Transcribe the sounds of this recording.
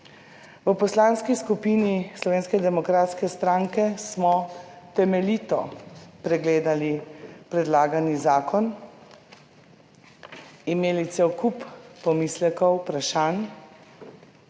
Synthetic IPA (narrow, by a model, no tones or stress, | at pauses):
ʋəpɔslaːnskiskupiːnislɔʋeːnskɛd̪ɛmɔkɾaːt̪skɛst̪ɾaŋkɛsmɔt̪ɛmɛliːt̪ɔpɾɛɡleːd̪alipɾɛd̪laːɡanizaːkʰɔn | imeːlit̪sewkuppɔmislɛkɔwpɾaʃan